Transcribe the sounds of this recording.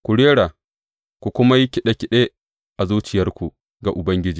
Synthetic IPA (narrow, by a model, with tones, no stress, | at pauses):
kʷu˨ɽeː˦ɽa˨ | kʷu˨kʷʊ˦ma˦ji˦kʲɪ˨ɗe˦kʲɪ˦ɗe˦ | ʔa˨zuː˦t͡ʃɪ˨jɐ˦rkʷu˨ | ɡa˨ʔʊ˨bɐ˦ŋɡʲɪ˦d͡ʒiː˨